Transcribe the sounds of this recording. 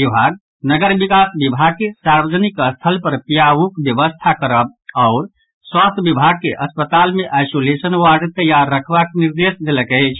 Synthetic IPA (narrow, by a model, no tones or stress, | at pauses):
bibʱaɡ̚ | nəɡəɾbikasbibʱaɡ̚kesaɾbəd͡ʒənikəst̪ʰəlpəɾpijaʋukbjəʋəst̪ʰakəɾəb̚aʊɾ | swast̪ʰjbibʱaɡ̚keʔəspət̪almeʔajsolesənwaɾɖt̪əjaɾːəkʰʋakniɾd̪esd̪eləkəɪt͡ʃʰ